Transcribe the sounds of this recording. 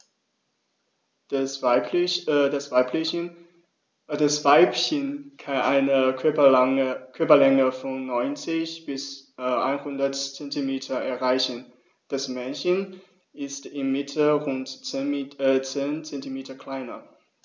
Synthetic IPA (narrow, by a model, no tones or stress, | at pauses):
dasv̥aɪpl | d̥asv̥aɪpçənkʰanʔa̰ɪnəœ | kʰœɐpɐlɛŋəfɔnːɔʏnt͡sɪçb̥ɪsʔa̰ɪnhʊndɐtt͡sɛntimeːtʰɐɛɐʁaɪçən | d̥asmɛnçən | ɪstɪmːɪtʰəʁʊnt | t͡seːnt͡sɛntimeːtɐkʰl̥aɪnɐ